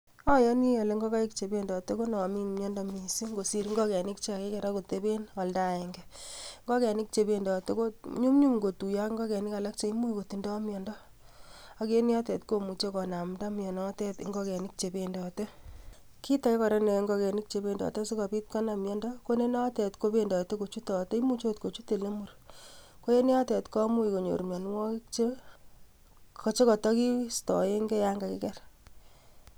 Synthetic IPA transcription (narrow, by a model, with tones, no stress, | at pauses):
ɔ˦jɔ˦ni˦jɔ˨le˨ŋɡɔ˦ka˦i˦kt͡ʃe˨be˦ndɔ˨te˦ko˦nɔ˨mi˦mɲɔ˦ndɔ˦mi˨si˦ŋɡo˨si˦ɾi˦ŋɡɔ˦kɛ˨nɪ˦k̚t͡ʃe˦a˨ke˦kɛ˨ɾa˦ko˨te˦be˦na˨lda˦e˨ŋɡɛŋɡɔ˦kɛ˨ni˦k̚t͡ʃe˨be˦ndɔ˨te˦ko˦ɲu˦mɲu˦mŋɡo˨tu˨ja˦kŋɡɔ˦kɛ˨nɪ˦ka˨la˦k̚t͡ʃe˨i˦mu˦i˦ko˨ti˨ndɔ˦mjɔ˨ndɔ˦ | a˨ke˦ni˦ɔ˦tɛ˨tko˨mu˨t͡ʃe˦kɔ˨na˨mda˦mjɔ˨nɔ˦tɛ˦tŋɡɔ˦kɛ˨ni˦k̚t͡ʃe˨be˨ndɔ˨te˦ | ki˦ta˨ke˦kɔ˨ɾɛ˦ne˨ŋɡɔ˧kɛ˨ni˦k̚t͡ʃe˨pe˨ndɔ̰˨te˦si˦kɔ˨pi˦t̚ka˦na˨mjɔ˦ndɔ˦ko˦ne˦nɔ˦tɛ˨tko˦pe˦ndɔ˨te˦ko˨t͡ʃu˦tɔ˨te˦i˦mu˦t͡ʃo˦t̚ko˨t͡ʃu˦te˨le˦mu˨rko˦e˦ni˦ɔ˦te˨tkɔ˦mu˦i˨ko˨ɲo̰˨ɾmjɔ˨n˦wɔ˦kt͡ʃe˦ | kɔ˨t͡ʃe˦kɔ˨tɔ˦ki˦stɔ˨je˦ŋɡɛ˦ja˦ŋɡa˨kḭ˦kɛ˦r